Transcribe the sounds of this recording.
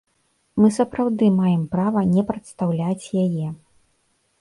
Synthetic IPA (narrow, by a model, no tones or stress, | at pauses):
mɨsɐpɾawd̪ɨmajɛmpɾavɐnʲɛpɾɐt̪st̪awlʲat͡sʲjajɛ